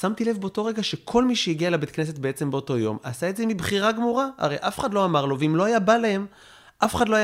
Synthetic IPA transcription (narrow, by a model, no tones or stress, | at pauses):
samt̪ile̞vbeoto̞ʁe̞ɡaʃekʰo̞lmiʃejiɡialabet̪kne̞s̬et̚beet͡se̞mbeoto̞jo̞̰masaetzemibχiʁaɡmuʁaa̰ʁejʔafe̥χadlo̞amaʁloveimlo̞ajabalae̞m | ʔafeχadlo̞aj